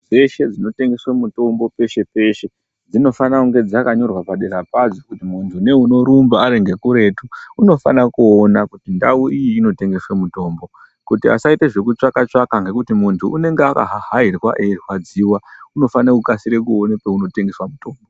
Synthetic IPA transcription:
d͡ze̞ʃe̞d͡zino̞te̞ŋɡe̞swemuto̞mbo̞pe̞ʃe̞pe̞ʃe̞ | d͡zino̞fanauŋɡe̞d͡zakaɲo̞rwapaɗe̞ɾapad͡zokutimuntʰune̞uno̞ɾumbaːɾe̞ŋɡe̞kuɾe̞tuːno̞fa̰nakuonakutindauʔijiːno̞te̞ŋɡe̞swe̞muto̞ːmbo̞ | kutia̰saiteʐe̞kut͡ʂakat͡ʂakaŋɡe̞kutimuntʰuʔune̞ŋɡeaka̰ɦaɦairwa̰ʔerwad͡ziwauno̞faneukasiɾe̞kuonepeuno̞te̞ŋɡe̞swamuto̞ːmbo

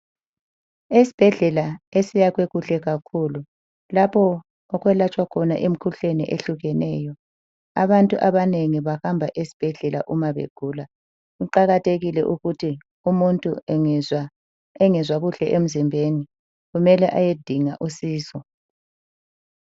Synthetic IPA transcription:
es̬i̥b̥ʱɛɮɛlaesijaɣweɣuɬɛɣakʰulu | lapʰɔ | ɔɣwɛlat͡ʃʼwakʰɔnaʔem̩kʰuɬenɛ̰ʔeɬuɣɛnɛ̰ːjɔ | a̰βantʼuʔaβaneŋiβaxambʱaʔesi̥b̥ʱɛɮɛlaʔumaβḛɡ̥ʱuːla | uǃaɣatʰeɣilɛ̰ʔuɣutʰi | umuntʼu | ɛŋɛzwaɣuɬɛ̰ʔem̩zimbʱeni | ɣumɛlɛʔajed̥ʱiŋaʔusiːsɔ

